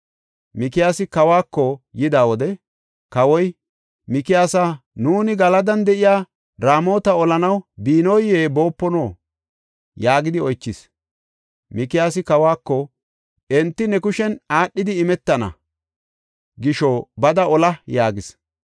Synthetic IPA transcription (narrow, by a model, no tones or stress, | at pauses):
mɪkɪjaːsɪkɐwaːkːɔjɪd̪aːwɔd̪ɛ | kɐwɔj | mɪkɪjaːsanuːnɪɡɐlɐd̪ɐnd̪ɛʔɪjaː | ɾaːmo̞ːt̪ɐɔlɐnɐwbiːnɔjːeːbo̞ːpːɔnoː | jaːɡɪd̪ɪɔjt͡ʃːɪs | mɪkɪjaːsɪkɐwaːkːɔ | ʔɛnt̪ːɪnɛkʊʃɛnaːɗːɪd̪ɪɪmɛt̪ːɐnɐ̰ | ɡɪʃɔbɐd̪ɐɔlɐjaːɡɪs